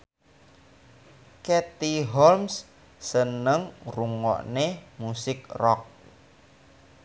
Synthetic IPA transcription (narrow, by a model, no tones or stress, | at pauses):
kɛt̪iɦɔlms | sənəŋruŋɔ̰ʔnemusɪkrɔk̚